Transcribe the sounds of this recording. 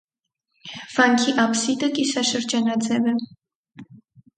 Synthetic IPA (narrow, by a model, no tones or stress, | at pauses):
vɑŋkʰiʔɑpsit̪əkʼisɑʃəɾd͡ʒɑnɑd͡zɛvɛ